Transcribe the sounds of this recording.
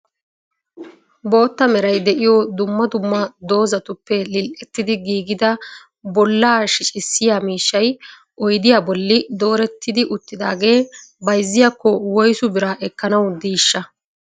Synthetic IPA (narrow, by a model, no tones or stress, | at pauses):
bo̞ːt̪ːɐmɛɾɐjd̪ɛʔɪjɔd̪ʊmːɐd̪ʊmːɐd̪o̞ːzɐt̪ʊpːɛlɪlʔɛt̪ːɪd̪ɪɡiːɡɪd̪ɐ | bɔlːaːʃɪt͡ʃʼɪsːɪjaːmiːʃːɐj | ʔɔjd̪ɪjaːbɔlːɪd̪o̞ːɾɛt̪ːɪd̪ɪʔʊt̪ːɪd̪a̰ːɡe̞ːbɐjzːɪjɐkːɔwɔjsʊbɪɾɐʔɛkːɐnɐwd̪iːʃːɐ